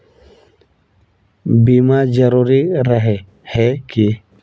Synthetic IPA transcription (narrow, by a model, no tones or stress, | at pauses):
bimad͡ʒəɾuːɾiɾəɦe | hɛki